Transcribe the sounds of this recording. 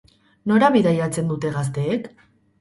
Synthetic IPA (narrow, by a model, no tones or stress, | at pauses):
no̞ɾaβiðajat͡se̞nd̪ut̪e̞ɣast̪e̞ːk